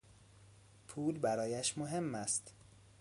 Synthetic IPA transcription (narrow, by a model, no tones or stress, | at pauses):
pʰuːlbæɾɒːjæʃmoɦe̞mːæst̪